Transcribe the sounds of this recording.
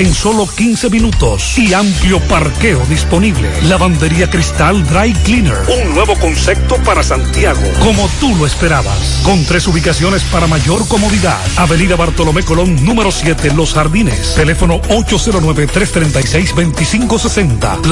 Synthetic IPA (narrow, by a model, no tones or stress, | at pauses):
eŋso̞lo̞kinse̞minut̪o̞siampljo̞paɾke̞oðispo̞niβle̞̰laβand̪e̞ɾiakɾist̪ald̪ɾajklinḛɾuŋnwe̞βo̞ko̞nse̞p̚t̪o̞paɾasant̪jaɣo̰ko̞mo̞t̪uloespe̞ɾaβa̰s | ko̞nt̪ɾesuβikasjo̞ne̞spaɾamaʝo̞ɾko̞mo̞ðiða̰ðaβe̞niðaβaɾt̪o̞lomekolo̞ŋnũme̞ɾo̞sje̞t̪elo̞sxaɾðinḛst̪e̞le̞fo̞no̞o̞t͡ʃo̞se̞ɾo̞nwe̞βet̪ɾe̞st̪ɾent̪ajsejsbe̞nt̪isiŋko̞se̞se̞nt̪a̰